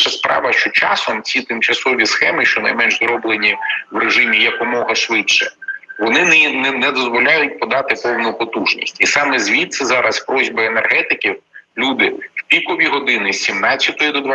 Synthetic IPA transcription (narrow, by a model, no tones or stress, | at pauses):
ʃɐspɾɑ̰ʋɐʃt͡ʃɔt͡ʃɑ̰sɔmt͡sʲit̪ɪmt͡ʃɐsɔʋʲisxɛmɪʃt͡ʃɔnɐ̰jmɛnʒzɾɔblˠenʲiwɾeʒɪmʲijɛpɔmɔɦɐʃʋɪtt͡ʃɛʋɔnɪnnnɛd̪ɔzʋɔlʲajʊt̚ʲpɔd̪ɑt̪ɪpɔwnʊpɔt̪uʒnʲḭsʲtʲisɑmɛzʲʋʲit̪sɛzɑɾɐspɾɔzʲbɪenerɦɛt̪ɪkʲiwlʲud̪ɪwpʲikɔʋʲiɦɔd̪ɪnɪsʲsʲimnɑt͡sʲjɐt̪ɔjid̪ɔd̪ʋ